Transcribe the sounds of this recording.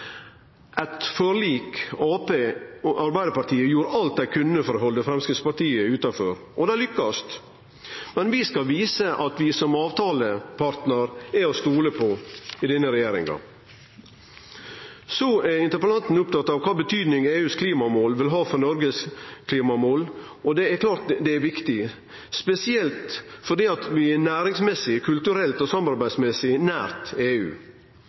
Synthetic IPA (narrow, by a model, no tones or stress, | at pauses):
ʔæt̪fɔɾɭiːkɑːpeːɑɾbæɪd̪əpɑɾʈ̪ʰiːəjuːɾɑlt̪̚d̪æɪkʰʉnːəfɔɾɦɔld̪ɛfɾɛmskəspɑʈ̪iːəʉːt̪ɑfɔɾ | ɔd̪ɛælʏkːɑst̪ | mɛnʋɪskɑlʋiːsəʔɑt̪ʋɪsɔmɑːʋt̪ʰɑːləpʰɑɾt̪nəɾɛɔst̪uːləpʰɔɪd̪ɛnːəɾɛjeːɾɪ̰ŋɡɑ̰ | sɔæɾɪnt̪əɾpəlɑnt̪n̩ʊp̚t̪ɑt̪ːɑːʋkʰɑːbət̪ʰyːd̪nɪŋeːʉːskʰliːmɑmoːlʋɪlɦɑːfɔɾnɔɾɡəskʰliːmɑmoːl | ɔd̪ɛæɾkʰlɑːɾt̪d̪ɛæɾʋɪkt̪ɪ | spɛsɪɛlt̪fɔɖiːɑt̪ʋɪɛnæːɾɪŋsmɛsɪkʰʉlt̪ʉɾɛlt̪ɔsɑmɑɾbæɪsmɛsɪnæːɾt̪eːʉ̰ː